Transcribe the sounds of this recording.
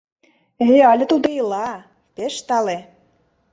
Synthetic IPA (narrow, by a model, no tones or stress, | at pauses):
eɑlʲĕt̪ud̪ɤ̆jlˠɑ | pʲeʃt̪ɑle